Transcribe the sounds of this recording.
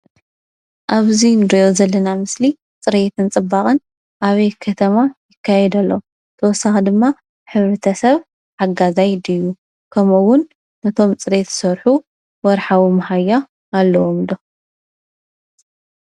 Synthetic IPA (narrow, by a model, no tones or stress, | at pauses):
ʔaβzinɾiozɐlːɐnamɨsli | t͡sʼɨɾe̞t̪ʰɨnt͡sʼɨbːaχʼɨn | ʔaβejkʰɐt̪ʰɐmajɪkʰːajɛd̪ɐlːɐ | t̪ʰɐwɔsːaxid̪ɨmːa | ħɨβɾɐt̪ʰɐsɐβ | ħaɡazajd̪ɨjːu | kʰɐmuwʊnː | ɐt̪ʰo̞mt͡sʼɨɾe̞t̪sɐɾħu | wɔɾħawimɐhajːaː | lːɐwomd̪o